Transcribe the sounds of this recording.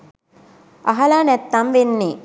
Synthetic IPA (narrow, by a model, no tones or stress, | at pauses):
ʔɐɦɐlaːnɛt̪ːɐmʋenːeː